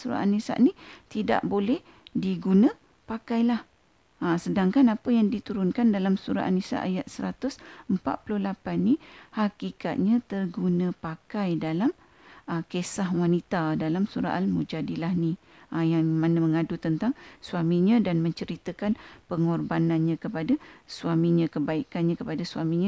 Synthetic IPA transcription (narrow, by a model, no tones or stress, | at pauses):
suɾa̰ʔa̰nisa̰ʔnit̪ida̰ʔbolɛh | diɡunə̃ | pakajlah | asədaŋkanapəjaŋdit̪uɾʊnkandalamsuɾa̰ʔa̰nisa̰ʔa̰jat̪̚səɾat̪ʊsəmpa̰ʔ̪̚pulʊhlapanːihakika̰t̪̚ɲãt̪ərɡunə̃pakajdalam | əkesahwanit̪adalamsuɾa̰ʔalmud͡ʒadilahni | ʔajaŋmãnaməŋadut̪ənt̪aŋsuamiɲãdanmə̃ɲt͡ʃəɾit̪əkanpəŋɔrbananɲãkəpadasuamĩɲãkəbaikanɲãkəpadasuamiɲã